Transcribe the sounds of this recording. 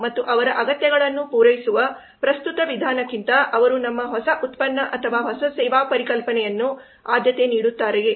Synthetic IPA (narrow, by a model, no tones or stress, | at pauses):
mɐt̪ːuʔɐʋɐɾɐʔɐɡɐt̪jɐɡɐɭɐnːupuːɾɐjisuʋɐ | pɾɐst̪ut̪ɐʋid̪ʱaːnɐkːint̪ɐʔɐʋɐɾunɐmːɐɦɔsɐʔut̪pɐnːɐʔɐt̪ʰɐʋaːɦɔsɐsɛːʋaːpɐɾikɐlpɐnɛjɐnːu | aːd̪ʱjɐt̪e̞niːɽut̪ːaːɾee